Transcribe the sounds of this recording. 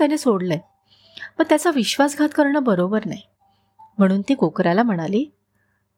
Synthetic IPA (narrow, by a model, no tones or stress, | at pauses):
janesoɽlə | məɡ̚t̪jat͡saʋiɕʋasɡʱat̪kəɾɳəːbəɾobəɾna̰j | m̤əɽ̃uːnt̪iːkokɾjalam̤əɽ̃aliː